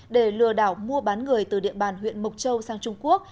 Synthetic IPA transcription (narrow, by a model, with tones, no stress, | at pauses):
ɗe˧˩lɨ˨˧˩əɗaː˧˩wmu˧əɓaː˨˦nŋɨ˨˩əjt̪ɨ˨˩ɗḭ˧˨əɓaː˨˩nɦwḭ˧˨ənmə˨˩wk͡p̚t͡ɕə˧wsaː˧ŋt͡ɕʊ˧ŋ͡mku˦˥ək̚